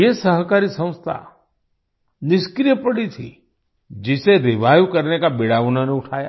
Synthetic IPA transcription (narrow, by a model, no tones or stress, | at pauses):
esəɦkaɾisə̃w̃st̪ʰa̰ | nɪskɾijəpəɽit̪ʰḭ | d͡ʒɪseɾɪʋajukəɾnekabeɽaʋnaneʊʈʰaja̰